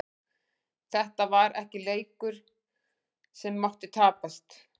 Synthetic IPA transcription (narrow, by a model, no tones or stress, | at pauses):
θɛht̪avaɾʔɛ̰hcɪleːjkʏɾ̥ | sɛmːawht̪ɪt̪ʰaːpast̪